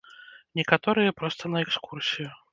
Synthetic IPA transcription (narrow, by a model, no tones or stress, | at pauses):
nʲɛkat̪ɔɾɨjɐpɾɔst̪ɐnɐɛkskursʲiju